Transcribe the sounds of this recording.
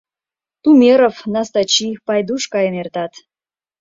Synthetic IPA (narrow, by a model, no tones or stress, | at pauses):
t̪umʲeɾofnɑst̪ɑt͡ɕipɑjd̪uʃkɑjənert̪ɑt̪